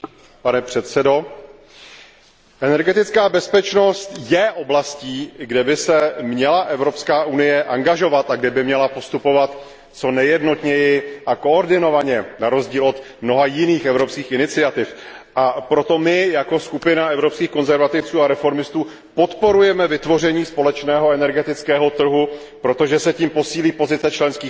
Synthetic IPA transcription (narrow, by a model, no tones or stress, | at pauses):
panɛpr̝̥ɛt̪sɛdo̞ | ʔɛnɛɾɡɛt̪ɪt͡skaːbɛspɛt͡ʃno̞st̪jɛʔoblasciːɡdɛbɪsɛmɲɛlaʔɛvɾo̞pskaːʔunɪjɛʔaŋɡaʒo̞vat̪aɡdɛbɪmɲɛlapo̞st̪upo̞vat̪ | t͡so̞nɛjɛdno̞t̪ɲɛjɪʔako̞oɾdɪno̞vaɲɛnaɾo̞zɟiːlo̞t̪ | mno̞ɦajɪniːxʔɛvɾo̞pskiːxɪnɪt͡sɪat̪ɪfʔapɾo̞t̪o̞mɪjako̞skupɪnaɛvɾopskiːxko̞nzɛɾvat̪ɪft͡suːaɾɛfo̞ɾmɪst̪uː | po̞t̪po̞ɾujɛmɛvɪt̪vo̞r̝ɛɲiːspo̞lɛt͡ʃnɛːɦo̞ɛnɛɾɡɛt̪ɪt͡skɛːɦo̞t̪r̩ɦu | pɾo̞t̪o̞ʒɛsɛciːmpo̞siːliːpo̞zɪt͡sɛt͡ʃlɛnskiː